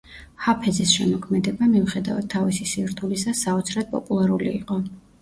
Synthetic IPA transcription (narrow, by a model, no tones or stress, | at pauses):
hapʰɛd̪zɛsʃɛmɔkʰmɛd̪ɛbamiuχɛd̪avad̪̥̚t̪ʰːavisisivɾt̪ʰulisasːaɔt̪sʰɾad̪̥̚pʼɔ̰pʼulˠaɾulḭːqʼɔ